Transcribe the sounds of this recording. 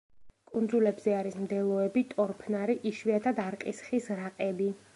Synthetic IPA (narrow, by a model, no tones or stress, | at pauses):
kʼund̪zulɛbzɛaɾismd̪ɛlˠɔɛbit̪ʼɔɾpʰnaɾiʔiʃviat̪ʰad̪aɾqʼisχisɾaqʼɛbi